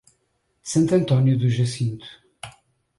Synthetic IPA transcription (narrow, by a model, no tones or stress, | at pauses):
sɐ̃nt̪ɐ̃nt̪ɔnjuðuʒɐsĩnt̪u̥